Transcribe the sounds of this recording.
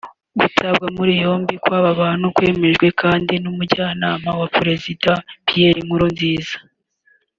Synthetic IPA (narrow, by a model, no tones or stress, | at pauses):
ɡutʰaβɡamuɾijo̞ːmbikwaːβaβaːn̥hukwe̞ːme̞ʒɡwe̞kʰaːndinumuɾɟaːnaːmawapɾe̞zidapije̞ɾimuɾonziːzḁ